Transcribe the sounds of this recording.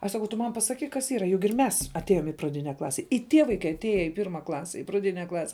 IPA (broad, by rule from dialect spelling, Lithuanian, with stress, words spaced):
ɐʃ sɐˈkɐʊ tʊ ˈmɐn pɐsɐˈkʲiːk kɐs ˈiːrɐ jʊk ɪr ˈmʲɛs ɐtʲˈeːjoːm ɪ prɐˈdʲɪnʲɛ ˈklˠɑːsʲɛ ɪ ˈtʲiɛ ʋɐɪˈkɐɪ ɐtʲˈeːjɛ ɪ ˈpʲɪrmɐ ˈklˠɑːsʲɛ ɪ prɐˈdʲɪnʲɛ ˈklˠɑːsʲɛ